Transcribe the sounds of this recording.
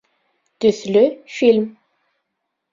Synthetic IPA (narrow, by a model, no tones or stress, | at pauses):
t̪yθlyfilm